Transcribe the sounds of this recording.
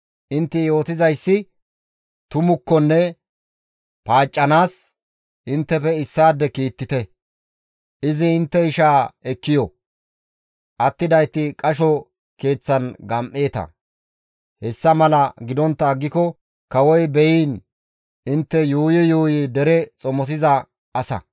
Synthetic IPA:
ʔɪnt̪ːɪjo̞ːt̪ɪzɐjsːɪ | t̪ʊmʊkːɔnːɛ | paːt͡ʃʼːɐnaːs | ʔɪnt̪ːɛpɛɪsːaːd̪ːɛkiːt̪ːɪt̪ɛ | ʔɪzɪːnt̪ːɛɪʃaːɛkːɪjɔ | ʔɐt̪ːɪd̪ɐjt̪ːɪkʼɐʃɔ | ke̞ːt͡sːɐnɡɐmʔe̞ːt̪ɐ̰ | hɛsːɐmɐlɐɡɪd̪ɔnt̪ːɐːɡːɪkɔ | kɐwɔjbɛjiːn | ɪnt̪ːɛjuːjɛjuːjɪd̪ɛɾɛt͡sʼɔmɔs̬ɪzɐ | ʔɐsɐ̰

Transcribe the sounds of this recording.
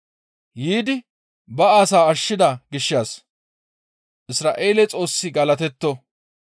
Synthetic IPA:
jiːd̪ɪ | bɐaːsaːɐʃːɪd̪ɐɡɪʃːaːs | ʔɪsɾaːʔe̞ːlɛt͡sʼo̞ːsːɪɡɐlɐt̪ɛt̪ːɔ

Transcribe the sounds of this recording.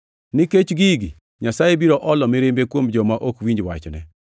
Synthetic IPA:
nɪket͡ʃɡiɡi | ɲasajebiɾɔʔɔlɔmɪɾembekwomd͡ʒɔmaʔokwiɲd͡ʒwa̰t͡ʃnɛ

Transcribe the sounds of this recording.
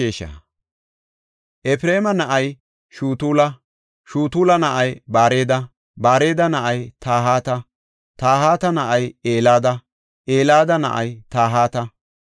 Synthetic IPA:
eːʃɐ̰ | ʔɛfɾe̞ːmɐnɐʔɐj | ʃuːt̪uːlɐ | ʃuːt̪uːlɐnɐʔɐjbaːɾe̞ːd̪ɐ | baːɾe̞ːd̪ɐnɐʔɐjt̪aːɦaːt̪ɐ | t̪aːɦaːt̪ɐnɐʔɐjeːlaːd̪ɐ | ʔeːlaːd̪ɐnɐ̰ʔɐjt̪aːɦaːt̪ɐ

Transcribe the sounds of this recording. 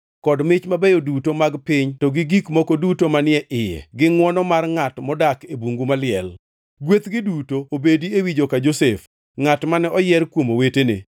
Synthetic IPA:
kɔdmɪt͡ʃmabɛjodutomaɡpɪɲtɔɡɪɡikmokodutomanɪɛʔɪjɛ̰ɡɪŋwɔnɔmarŋatmɔdakebuŋɡumalɪɛl | ɡwet̪ɡɪdutoːbediewid͡ʒokad͡ʒosef | ŋatmanɛɔjɛɾkwomowetenḛ

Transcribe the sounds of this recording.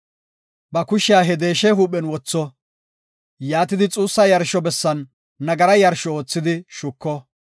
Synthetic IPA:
bɐkʊʃɪjaːɦɛd̪eːʃɛɦuːpːɛnwɔt͡sːɔ | jaːt̪ɪd̪ɪt͡sʼuːsːɐjɐɾʃɔbɛsːɐnː | ɐɡɐɾɐjɐɾʃɔoːt͡sːɪd̪ɪʃʊkːɔ

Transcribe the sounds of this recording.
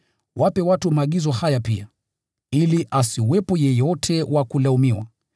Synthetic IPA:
wapɛwatumaːɠizɔhajapia̰ | iliʔasiwɛpɔjɛjɔtʰɛwakulaumiwa̰

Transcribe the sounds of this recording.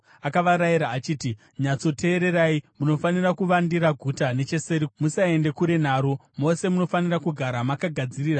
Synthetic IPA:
akaʋaɾajiɾaːt͡ʃiːti | ɲat͡so̞tʰe̞ːɾe̞raimuno̞fanirakuʋandiɾaɡʱutane̞t͡ʃe̞se̞ɾimusae̞nde̞kuɾe̞n̤aːɾomo̞se̞muno̞fanirakuɡʱaɾamakaɡʱad͡ziriːra

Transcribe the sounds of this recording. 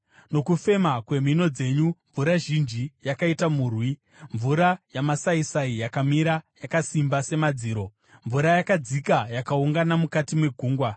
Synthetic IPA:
no̞kufe̞makwe̞mino̞d͡ze̞ɲuɱvuɾaʒind͡ʒijakaitamuːrwi | ɱvuɾajamasaisaijakamiɾajakasimbase̞mad͡ziːɾo̞ | ɱvuɾajakad͡zikajakauŋɡanamukatimwe̞ɡʱuːŋɡwa

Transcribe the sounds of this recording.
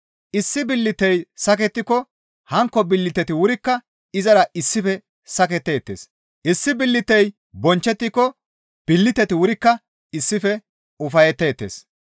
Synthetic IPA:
ʔɪsːɪbɪlːɪt̪ːɛjsɐk̬ɛt̪ːɪkɔ | hɐŋkːɔbɪlːɪt̪ɛt̪ɪwʊɾɪkːɐ | ɪzɐɾɐɪsːɪfɛ | sɐkɛt̪ːe̞ːt̪ːḛːs | ʔɪsːɪbɪlːɪt̪ːɛj | bɔnt͡ʃːɛt̪ːɪkːɔ | b̥ɪlːɪt̪ːɛt̪ɪwʊɾɪkːɐ | ɪsːɪfɛ | ʊfɐjɛt̪ːe̞ːt̪ːeːs

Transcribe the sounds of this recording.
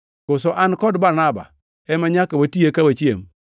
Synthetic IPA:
kʊsɔʔankɔdbaɾnaba̰ | ɛmaɲakawotiekawat͡ʃiḛm

